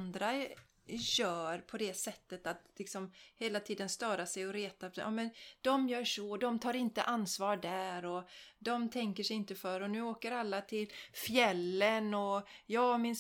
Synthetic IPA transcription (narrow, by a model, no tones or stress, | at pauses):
nd̪ɾa | jœːɾpʰɔd̪ɛsɛt̪ːət̪at̪lɪksɔmheːlat̪ʰiːd̪ənst̪œːɾasɛjɔɾeːt̪aʔɑ̰ːmɛnd̪̥ɔmjœːʂɔd̪ɔmt̪ʰɑːɾɪnt̪ə̰ʔanːsvɑːɾɖæːɾɔd̪ɔmt̪ʰɛŋkəʂɛɪnt̪əfœɾɔnʉ̟ːoːkəɾalːat̪ʰɪlfjɛlːənɔjɑːmɪns